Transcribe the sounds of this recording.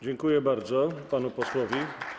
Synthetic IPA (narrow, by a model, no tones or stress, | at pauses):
d͡ʑɛŋkujɛbaɾd̪zɔpanupɔswɔvʲi